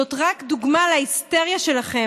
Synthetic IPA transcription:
ot̪ʁakd̪uɡmalaist̪eʁjaʃe̞laχe

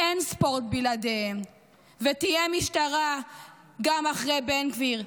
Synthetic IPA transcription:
ʔenspo̞ʁt̪̚biladehem | vet̪ijemiʃtaʁa | ɡamaχʁebenkviʁ

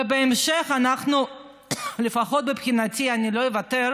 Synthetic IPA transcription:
ebeemʃeχanaχnu | lefaχot̪̚bepχinatianilojevateɾ

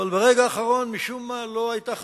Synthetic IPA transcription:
albeʁeɡaːχaʁo̞nmiʃumːalo̞ajt̪aχ

